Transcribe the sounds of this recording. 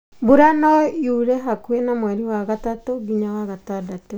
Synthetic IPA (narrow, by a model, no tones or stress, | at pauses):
boɾanɔjuɾɛɦakwenamwɛɾiwaɣatatoɡiɲawaɣatadato